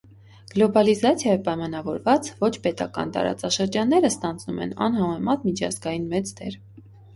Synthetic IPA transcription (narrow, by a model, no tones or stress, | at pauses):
ɡ̥lɔbɑlizɑt͡sʰjɑjəpɑjmɑnɑvɔɾvɑt͡svɔt͡ʃʰpɛt̪ɑ̰kɑ̰nt̪ɑ̰ɾɑ̰t͡sɑʃəɾd͡ʒɑnːɛɾəst̪ɑnd͡znumɛ̰nɑ̰nɦɑmɛmɑt̪mit͡ʃʰɑ̰zɡɑjinmɛt͡sd̪ɛ̰ɾ